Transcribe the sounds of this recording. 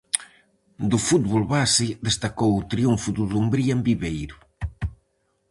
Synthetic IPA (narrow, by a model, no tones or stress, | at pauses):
d̪ufut̪̚βolβasiðest̪akowut̪ɾiuɱfuðuðumbɾiambiβejɾu